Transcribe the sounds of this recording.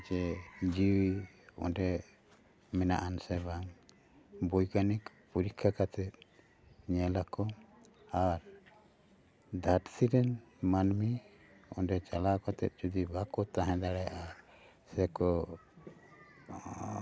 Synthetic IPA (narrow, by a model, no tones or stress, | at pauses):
t͡ʃɛd͡ʒiwi | ɔ̰ɖɛ | mɛna̰ʔansɛbaŋ | bujkanik | puɾikʰːakat̪ɛt̪̚ | ɲɛlakɔ | aɾ | d̪ʱaɾsiɾɛnmanmi | ɔ̰ɖɛt͡ʃalakɔt̪ɛt̪̚d͡ʒud̪ibakɔt̪aɦɛ̃d̪aɽɛjaʔa | sɛkɔ